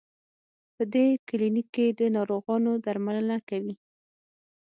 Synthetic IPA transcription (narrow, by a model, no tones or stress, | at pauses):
pəd̪ekɪlinikːed̪ənɑɾoɣɑnod̪aɾmaləlakawi